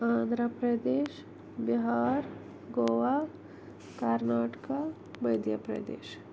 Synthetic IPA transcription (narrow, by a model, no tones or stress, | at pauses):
ãːnd̪ʱɾəpɾɐd̪eːʃ | biɦaːɾ | ɡoːʋa | kaɾnaːʈka | mɐjd̪jəpɾɐ̰d̪ḛːʃ